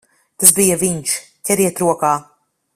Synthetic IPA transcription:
t̪asbijɐviɲʃ | cʲɛɾiɛt̪ɾuɔkaː

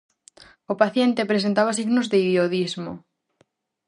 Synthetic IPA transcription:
opaθjent̪epɾes̬ent̪aβas̬iɣnozðeiðjoðizmo

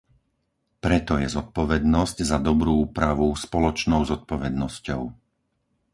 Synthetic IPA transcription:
pɾɛt̪ɔjɛzɔt̪̚pɔʋɛd̪nɔzczad̪ɔbɾuːuːpɾaʋuspɔlɔt͡ʃnɔʊzɔt̪̚pɔʋɛd̪nɔscɔʊ

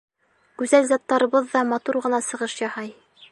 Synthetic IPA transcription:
ɡʉzælzɑt̪ːɑɾɤ̆βɤðːɑmɑt̪uɾʁɤ̆nɑsɤ̆ʁɤʃjɑhɑj

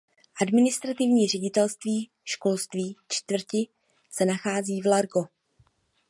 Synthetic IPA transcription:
ʔadmɪnɪst̪ɾat̪ɪvɲiːr̝ɛɟɪt̪ɛlst̪viː | ʃko̞lst̪viːt͡ʃt̪vr̩cɪ | sɛnaxaːziːvlaɾɡo̞

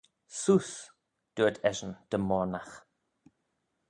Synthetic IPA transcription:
suːs | d̪̥uəd̪ʰɛʒənd̪̥əmɔɹnax

